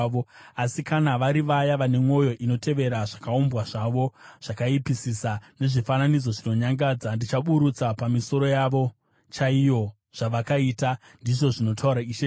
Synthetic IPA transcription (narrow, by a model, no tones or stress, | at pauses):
oasikanaʋaɾiʋajaʋane̞mwo̞jo̞ʔino̞te̞ʋe̞ɾaʐakaombwaʐaʋo̞ʐ̥akaipisisane̞ʐifananid͡zo̞ʐino̞ɲaŋɡaːd͡zandit͡ʃaɓuɾut͡sapamiso̞ɾo̞jaʋo̞ | t͡ʃaijo̞ | ʐ̥aʋakaiːta | ndiʐo̞ʐino̞tʰauɾaiʃe